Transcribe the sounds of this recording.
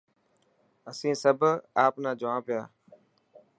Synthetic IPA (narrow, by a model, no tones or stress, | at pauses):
əsĩːsəbʱaːpnãːd͡ʒʊʋãːpɪjaː